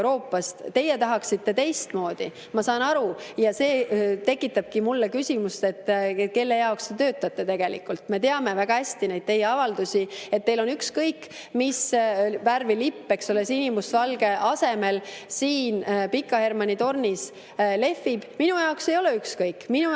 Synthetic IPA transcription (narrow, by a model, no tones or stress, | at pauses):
ɾo̞ːpːˑɑst̪t̪ːe̞jet̪ɑɦɑksit̪ːe̞t̪e̞jst̪mo̞ːd̪̥i | mɑsɑːnɑɾujɑse̞ːt̪e̞kˑːit̪ːˑɑb̥kimulːekysʲimust̪e̞t̪ːke̞lːe̞jɑokst̪et̪ø̞ːt̪ːˑɑt̪ːˑe̞t̪e̞ɡ̥e̞lḭkːˑult̪ˑme̞t̪e̞ɑme̞væɡ̥ɑæsʲt̪ine̞jd̥̪̚t̪e̞jːeɑvɑld̪usʲiet̪̚ːe̞jlo̞nykskɤjkː | misværvilipːe̞kso̞lesinʲimusvɑlɡ̥e̞ʔɑse̞me̞lsiːnpikːˑɑhe̞rmɑnit̪o̞rnis | le̞fːib̥minujɑokse̞jo̞leykskɤjkːminu